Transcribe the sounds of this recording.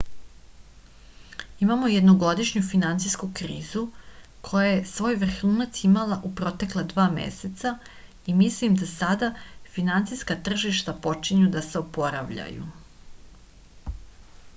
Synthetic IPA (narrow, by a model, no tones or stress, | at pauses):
imamo̞je̞d̪noɡo̞d̪iʃɲufinant̪sijskukɾiːzu | kʰo̞jajesʋo̞ːjʋr̩xuːnat̪simalaʔupɾo̞t̪e̞klˠad̪ʋaːmḛset̪sa | imislimd̪asad̪afinant̪sijskat̪r̩ʒiʃt̪apo̞t͡ʃiɲud̪aseopo̞ɾa̰ʋʎa̰jṵ